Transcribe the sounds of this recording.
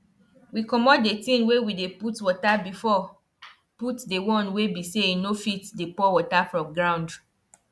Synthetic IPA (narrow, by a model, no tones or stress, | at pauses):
wikɔmɔt̚detĩnwewideputwɔtabifɔ | putdewɔ̃nwebiseinofitdepɔwɔtafɹɔ̃mɡɹãw̃nd